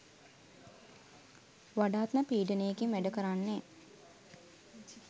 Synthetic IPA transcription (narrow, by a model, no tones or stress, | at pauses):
ʋaɖaːt̪nəpiːɖənəjekimʋæɖəkəɾanːe